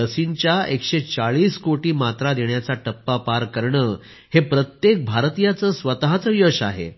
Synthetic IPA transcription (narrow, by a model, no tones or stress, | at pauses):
əsiɲt͡ɕjaekɕet͡saɭiːskoʈiːmat̪ɾad̪eɳjat͡saʈəpːapaɾkəɾɳəː | hepɾət̪jek̚bʱaɾt̪ijat͡səːsʋət̪ɦat͡səjəɕaɦḛ